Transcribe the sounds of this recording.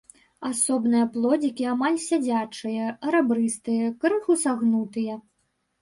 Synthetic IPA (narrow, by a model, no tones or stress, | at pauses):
asɔbnɨjɐplˠɔd͡zʲikʲiamalʲsʲad͡zʲat͡ʂɨjɐʔɐɾabɾɨst̪ɨjɐkɾɨxusaɣnut̪ɨjɐ